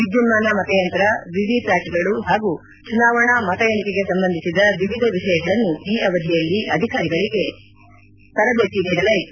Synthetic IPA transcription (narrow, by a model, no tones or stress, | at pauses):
ʋid̪jumːaːnɐmɐt̪ɐjɐnt̪ɐɾɐʋiʋiplaːʈɡɐɭuɦaːɡu | t͡ʃunaːʋɐɳɐmɐt̪ɐjɐɳikeɡe̞sɐmbɐnd̪ʱisid̪ɐʋiʋid̪ʱɐʋiʂɐjɐɡɐɭɐnːuiːʔɐʋɐd̪ʱjɛjɐlːiʔɐd̪ʱikaːɾiɡɐɭiɡe̞ | t̪ɐɾɐbjɐt̪ibɛːɽɐlɐj